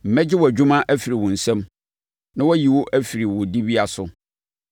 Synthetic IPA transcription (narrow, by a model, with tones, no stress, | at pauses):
m̩˨mɛ̃˦d͡ʑɪ˦wɔ˨æ˨d͡ʑᶣu˦mã˦ʔæ˦fi˨ɾi˨wʊ̃˨n̩˨sɛ̃˦m | nã˦wɔ˦ji˨wʊ˦ʔæ˦fi˨ɾi˨wʊ̃˨di˦bi˦a˨sʊ˦